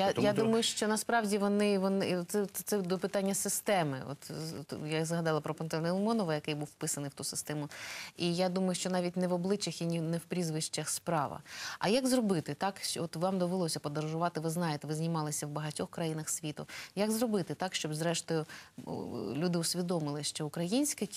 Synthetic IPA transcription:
jajad̪umɐjʊʃt͡ʃɔnɐspɾɑwdʲiʋɔnɪʋɔnɪsɛt̪sɛd̪ɔpɪt̪ɑnʲːɐsɪst̪ɛmɪ̰ɔ̰t̪jazɦɐd̪ɑlˠɐpɾɔpɔnt̪ɾɔnʲɛlˠmɔnɔʋɐjɐkɪjbuwfpɪsɐnɪjwt̪usɪ̥st̪ɛmʊijad̪umɐjʊʃt͡ʃɔnɑʋʲit̚ʲnɛʋɔblˠɪt͡ʃɐxinʲnɛwpɾʲizʋɪʃt͡ʃɐxspɾɑʋɐ̰ɐ̰jaɡzrɔbɪt̪ɪt̪ɑkʃt͡ʃɔt̪ʋɑmd̪ɔʋelˠɔsʲɐpɔd̪ɐɾɐʒʊʋɑt̪ɪʋɪznɑjet̪ɛʋɪznʲimɑlˠɪsʲɐwbɐɦɐtʲɔxkɾɐjinɐxsʲʋʲit̪ʊjaɡzrɔbɪt̪ɪt̪ɑkʃt͡ʃɔbzɾɛʃt̪ɔjʊ | lʲud̪ɪʊsʲʋʲid̪ɔmɪlˠɪʃt͡ʃɔʊkɾɐjinʲsʲkɪ

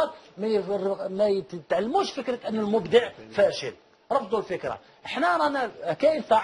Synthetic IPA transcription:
d̪mæjmæt̪ʕalːmuʃfəkɾət̪ʔənːəlmʊbd̪əʕfæʃə̰l | ɾˤɑfd̪ˤulfəkɾa̰ | ʔəħnæɾˤɑnækæʔəlt̪ˤɑ

